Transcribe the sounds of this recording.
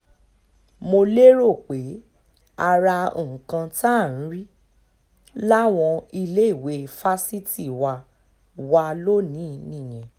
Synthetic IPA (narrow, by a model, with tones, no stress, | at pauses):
mo˧le˦ɾo˦˨k͡pe˨˦ | a˧ɾa˧o̰˨kã˧ta˦˨ñ̩˨˦ɾi˦ | la˦w̃ɔ̃˧i˧le˦i˦˨we˨˦˧fa˦si˦ti˦˨wa˧ | wa˧lo˦nĩ˨˦nĩ˦˨j̃ɛ̃˨